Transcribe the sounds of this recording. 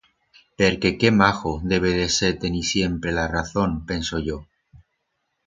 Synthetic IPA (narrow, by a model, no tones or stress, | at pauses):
peɾke̞ke̞maxoðe̞β̞eðe̞se̞ɾt̪enisje̞mpɾe̞laraθo̞ŋpe̞nso̞ʝo̞